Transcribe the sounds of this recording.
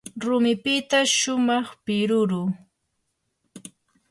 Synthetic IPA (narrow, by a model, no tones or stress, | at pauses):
ɾʊmɪpɪt̪aʃʊmɑχpɪɾʊɾʊː